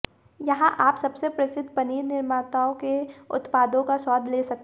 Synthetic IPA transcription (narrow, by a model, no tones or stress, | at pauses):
jɐɦãʔaːpsɐbsepɾɐsɪd̪ʱːpɐniːɾnɪɾmaːt̪aːõkeʊ̰t̪paːd̪õkaswɔːd̪ʱleːsɐk̚t̪